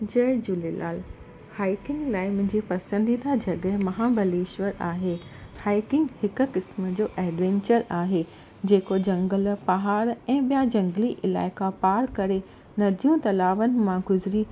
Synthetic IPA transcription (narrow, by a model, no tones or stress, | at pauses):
d͡ʑɐːd͡ʑʊlila̰ːl | haːɪkɪ̃ŋɡlaːɪmʊ̃ɦɪ̃ɲd͡ʑipɐsə̃nd̪iːd̪ad͡ʑɐɠɦmɐɦaːbʱɐliːʃʋəɾaːɦeː | haːɪkɪ̃ŋɡhɪkʊ̆kɪsmə̆d͡ʑoːʔɛːɖʋɛ̃ːɲt͡ɕəɾaːɦe | d͡ʑeːkod͡ʑɐ̃ŋɡəlpɐɦaːɾɛ̃ːɓijad͡ʑɐ̃ŋɡliʔɪla̰ːɪkapaːɾkɐɾe | nɐd̪ʱijũt̪ɐlaːʋənɪ̆mãɡʊzɾi